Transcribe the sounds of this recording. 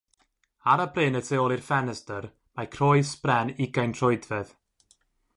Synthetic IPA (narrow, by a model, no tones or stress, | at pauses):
aɾəbrɪːnətʰeɔlˠirfɛnɛstər | makʰrɔɨsprɛnɪɡajntr̥ɔɨdvɛð